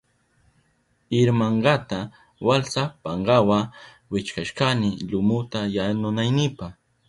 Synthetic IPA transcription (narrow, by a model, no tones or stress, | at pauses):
ɪɾmaɴɢɑt̪a | walsapaɴɢɑwa | wɪt͡ʃkaʃkanɪʎʊmʊt̪ajanʊnajnɪpaχ